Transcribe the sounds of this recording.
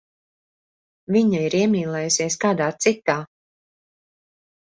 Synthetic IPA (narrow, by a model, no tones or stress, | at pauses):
viɲaiɾiɛmʲiːlˠɛːjusiɛskaːd̪aːt̪sit̪aː